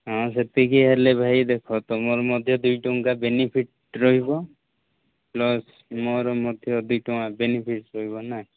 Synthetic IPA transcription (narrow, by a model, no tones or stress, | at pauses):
ɦɔ̃set̪ikiɦelebʱajd̪ekʰɔt̪ɔmɔɾɔmɔd̪ʱjɔd̪ujʈɔŋkabenipʰiʈ̚ | ɾɔɦibɔ | plɔs | mɔɾɔmɔd̪ʱjɔd̪uʈɔŋabenipʰiʈɾɔɦibɔna